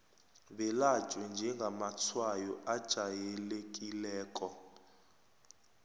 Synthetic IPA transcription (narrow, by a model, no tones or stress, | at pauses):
βɛlḁʒ̥ʱʼwɛnd͡ʒʱɛŋɡʱamat͡sʰwajɔʔad̥ʒ̥ʱajɛlekʼilɛːkʼɔ